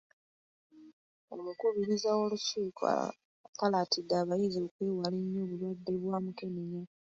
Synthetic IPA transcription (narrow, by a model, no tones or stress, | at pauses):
o̰mukuβiɾizawo̞lusuːkʰa̰ | kalatidːaːβajizo̞ːkwiːwaliɲːoːβulwabːeβwaːmukemiɲa